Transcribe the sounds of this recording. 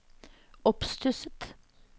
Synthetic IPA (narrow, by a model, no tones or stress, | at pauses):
ɔpst̪ʉsət̪